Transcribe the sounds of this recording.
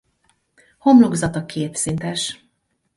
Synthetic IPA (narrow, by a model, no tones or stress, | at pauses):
ho̞mlo̞ɡzɒt̪ɒkʰeːt̪sint̪ɛʃ